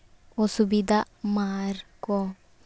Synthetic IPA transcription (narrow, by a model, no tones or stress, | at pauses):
ɔsubid̪a | maɾkɔ